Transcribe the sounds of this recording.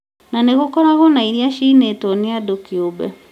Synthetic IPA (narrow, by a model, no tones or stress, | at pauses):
naneɣokɔɾaɣɔnaiɾiaʃinetɔniadokiobɛ̰